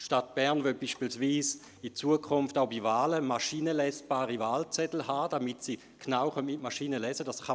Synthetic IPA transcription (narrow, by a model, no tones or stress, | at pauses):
ʃtat̚b̥ɛʁnvœlb̥iːʃpiːlsviːs | it͡suəkʰʊnftaʊbivaːləmaʃiːnəlɛsb̥aːʁivaːlt͡sɛtl̩haːd̥amitsi | kʰnawχœnɪtmaʃiːnəlɛzədasχɑ